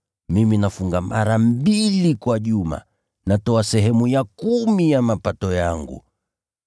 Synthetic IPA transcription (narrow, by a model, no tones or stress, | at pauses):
miminafuŋɡamaɾam̩bilikwaʄuma̰ | natɔasɛɦɛmujakumijamapatɔjaŋɡṵ